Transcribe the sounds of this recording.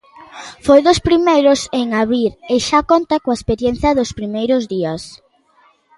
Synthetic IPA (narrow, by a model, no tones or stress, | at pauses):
fojðospɾimejɾʊseŋaβɾiɾeʃakont̪akoaespeɾjen̟θjɐðʊspɾimejɾʊzðiɐs